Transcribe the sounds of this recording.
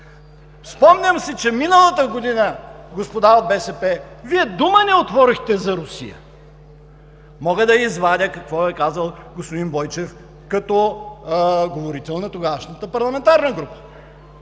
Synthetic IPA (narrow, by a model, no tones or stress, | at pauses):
spɔmnʲəmsɛt͡ʃɛminəlˠət̪əɡod̪inəɡospod̪aod̪̚bɛsɛpɛ | viɛd̪umənɛot̪vɔɾixt̪ɛzɐɾʊsḭjə̰ | mɔɡəd̪ɐizvad̪ʲəkɐkvɔɛkazəlˠɡospod̪inbɔjt͡ʃɛf | kɐt̪ɔ | ɡovoɾit̪ɛlˠnɐt̪oɡaʃnət̪əpɐɾlˠɐmɛnt̪aɾnəɡɾupə̥